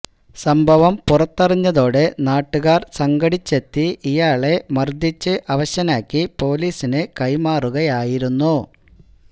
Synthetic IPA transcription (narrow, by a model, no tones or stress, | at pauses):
sɐmbʱɐʋɐmpurɐt̪ːɐriɲːɐðo̞ːɽe̞naːʈːuɣaːrsɐŋɡɐɽit͡ɕːe̞t̪ːiʔijaːɭe̞mɐrd̪ʱit͡ɕːɨʔɐʋɐɕɐnaːkʲːipo̞ːliːsinekɐjmaːruɣɐjaːjiɾunːu